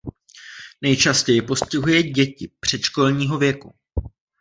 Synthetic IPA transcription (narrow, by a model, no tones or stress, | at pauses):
nɛjt͡ʃascɛjɪpo̞scɪɦujɛɟɛcɪpr̝̥ɛt̪ʃko̞lɲiːɦo̞vjɛku